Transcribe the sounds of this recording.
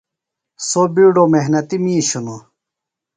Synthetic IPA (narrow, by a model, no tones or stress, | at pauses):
sobiɖomeɦnɐt̪imĩːɕuno